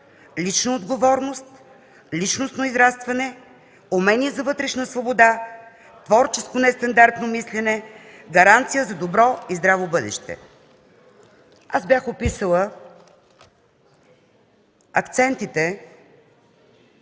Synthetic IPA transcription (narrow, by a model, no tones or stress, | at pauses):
lit͡ʃnɐod̪ɡovɔɾnost̪ | lit͡ʃnost̪noizɾast̪vɐnɛ | omɛnizɐvɤt̪ɾɛʃnəsvobod̪a | t̪vɔɾt͡ʃɛskonɛst̪ɐnd̪aɾt̪nomislɛnɛ | ɡɐɾant̪sijəzɐd̪obɾɔizd̪ɾavobɤd̪ɛ̰ʃt̪ɛ̰ | azbʲjaxopisəlˠə | ɐkt̪sɛnt̪it̪ɛ